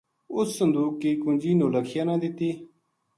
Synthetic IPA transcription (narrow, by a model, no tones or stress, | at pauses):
ʊsːənd̪uːkːikund͡ʑiːnoːləkʰjaːnãːd̪it̪iː